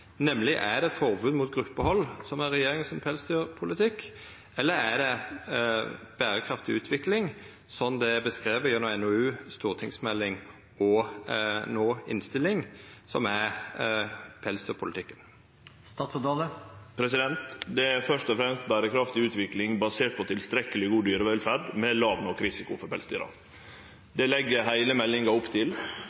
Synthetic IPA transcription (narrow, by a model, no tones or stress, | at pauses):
nɛmlɪʔæd̪ɛfɔʁbʉd̪muːt̪̚ɡɾʉpːəhɔlːsɔmæɾɛjeːɾɪŋəsɔmpʰɛlsd̪yːʁpʰʊlɪt̪ʰɪkː | ɛlːəɾæd̪ɛ | b̥æːɾəkʰɾɑft̪ɪʉːt̪ʰʋɪklɪŋ | sɔnd̪ɛbəskʁeːʋəjɛnɔmɛnɔʉːst̪uːʁt̪ʰɪŋsmɛlːɪŋ | ɔ | noːɪ̰nst̪ɪlːɪŋsɔ̰mæ | pʰɛlst̪yːɾpʰʊlɪt̪ʰɪkːə̥n | st̪ɑːt̪sɔd̪ɑːləpʰɾɛsɪd̪ɛnt̪d̪ɛæɾfœʂt̪ɔfɾɛmst̪̚bæːɾəkʰɾɑft̪ɪʉːt̪ʋɪklɪŋbɑseːʈ̚pʰɔt̪ʰɪlst̪ɾɛkəlɪɡuːd̪yːɾəʋɛlfæɖmɛlɑʋnɔkɾɪsɪkʊfɔɾpʰɛlsd̪yːɾɑ̰ | d̪ɛlɛɡːəɾɦæɪləmɛlːɪŋɑɔpːt̪ʰɪl